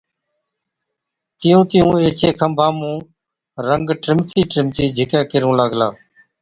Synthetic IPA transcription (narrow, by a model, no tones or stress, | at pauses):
t̪ɪjũːt̪ɪjũːeːt͡ʃʰeːkʰəmbʱãːmũː | ɾəŋɡʈɾɪmt̪ʰiːʈɾɪmt̪iːd͡ʒʱɪkɛːkɪɾũːləɡlaː